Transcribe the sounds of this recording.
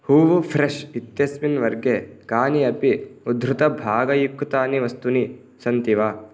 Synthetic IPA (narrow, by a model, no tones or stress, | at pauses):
huːʋupʰɾeʃit̪jɐsminʋɐɾɡekaːniɐpiud̪ʱɾut̪ɐbʱaːɡɐjukːt̪aːniʋɐst̪uni | sɐnt̪iʋaː